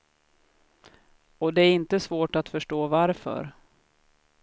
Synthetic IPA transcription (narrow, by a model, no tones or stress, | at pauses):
ɔd̪ɛæɾɪnt̪əsvoːʈat̪fœʂʈoːvaɾfœ̰ɾ